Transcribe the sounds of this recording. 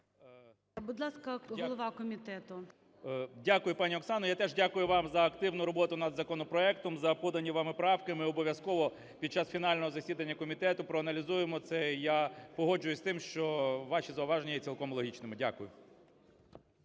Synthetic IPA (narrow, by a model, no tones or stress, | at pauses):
bʊd̪lˠɑskɐɦɔlˠɔʋɑkɔmʲit̪ɛt̪ʊ | dʲakʊjʊpɑnʲiɔksɑnɔjat̪ɛʒdʲakʊjʊʋɑmzɐːkt̪ɪwnʊɾɔbɔt̪ʊnɐd̪zɐkɔnɔpɾɔɛkt̪ɔmzɐpɔd̪ɐnʲːiʋɑmɪpɾɔɑwkɪmɪɔbɔʋʲjɐskɔʋɔ | pʲid̪̚t͡ʃɑsfʲin̪ɑlʲnɔɦɔzɐsʲid̪ɐnʲːɐkɔmʲit̪ɛt̪ʊpɾɔɐnɐlʲizujemɔt̪sɛjapɔɦɔd͡ʒʊjʊsʲt̪ɪmʃt͡ʃɔʋɑʃizɐʊʋɑʒenʲijɛt͡sʲilˠkɔmlˠɔɦʲit͡ʃnɪmɪdʲakʊjʊ